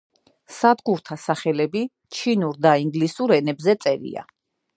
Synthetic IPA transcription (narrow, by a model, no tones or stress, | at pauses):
sad̪ɡuɾt̪ʰasaχɛlɛbi | t͡ʃʰinuɾd̪aiŋɡlisuɾɛnɛbzɛt̪sʼɛɾḭa̰